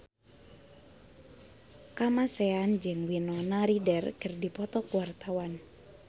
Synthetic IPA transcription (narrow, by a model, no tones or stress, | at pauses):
kamasɛand͡ʒɨŋwinɔnaɾidɛrkɨrdipɔt̪ɔkuwart̪awan